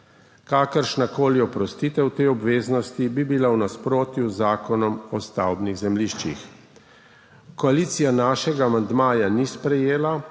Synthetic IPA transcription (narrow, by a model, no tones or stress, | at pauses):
kaːkəɾʃnakoːliɔpɾɔst̪iːt̪ɛwt̪ejɔbʋeːznɔst̪ibibilawnaspɾoːt̪juzaːkɔnɔmɔst̪awbniɣzɛmliʃt͡ʃḭx | kɔaliːt̪sijanaːʃɛɡaːmand̪maːjanispɾɛjeːla